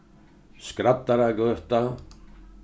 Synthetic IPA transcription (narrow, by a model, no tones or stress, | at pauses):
skɾapt̪aɾakʏht̪a